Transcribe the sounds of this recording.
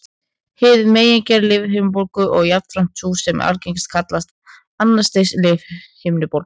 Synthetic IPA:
hɪːðmeːjɛɲcɛɾlɪːvɦɪmnpowɾkʏʔɔɣjat̪fɾam̥t̪ːʰuːsɛma̰lcejŋst̪kʰat̪last̪ | anːḁst̪ejslɪvhɪmnɪpowɾk

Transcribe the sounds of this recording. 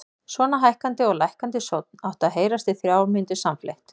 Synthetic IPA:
svɔːnaɦajhkant̪ɪɔɣlajhkant̪ɪsowt̪̚nawht̪aðɦeːjɾast̪ɪθɾjaːwɾmɪnt̪ʏsamflḛjht̪

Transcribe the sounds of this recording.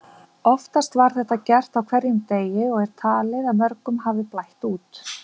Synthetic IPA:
ɔft̪ast̪vaɾ̥θɛht̪acɛr̥t̪awkʰvɛɾjʏmt̪eːjɪɔɣɛɾ̥t̪ʰaːlɪðamœɾkʏmɦavðɪplajht̪uːt̪

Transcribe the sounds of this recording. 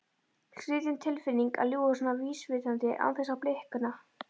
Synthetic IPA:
sɾɪːðɪnt̪ʰɪlfɪnːiŋka̰ljuːɣðʏsɔnaviːsvɪðant̪ɪʔa̰wθɛsːaplehkʏnːa

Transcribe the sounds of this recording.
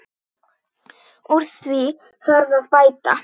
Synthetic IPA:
uɾ̥θvi | θaɾðaðpajt̪a̰

